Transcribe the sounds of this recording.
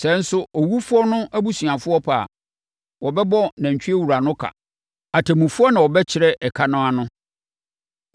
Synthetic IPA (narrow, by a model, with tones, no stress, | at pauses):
sɛ˨˦n̩˦sʊ˦ɔ˨wu˦fʊ˦ɔ˦nʊ̃˦ʔæ˦bu˦sɥã˨fʊ˦ɔ˦pʰa˨ | wɔ˨bɛ˦bɔ˦næ̃˨ɲ˨t͡ɕᶣi˦e˦wu˨ɾa˨nʊ̃˦kʰa̰˨ | a˨tʰɛ˨mũ˨fʊ˦ɔ˦nã˨wɔ˨bɛ˦t͡ɕʰɪ˨ɾɛ˦ʔɛ˨kʰa˦nʊ̃˦a˨nʊ̃˦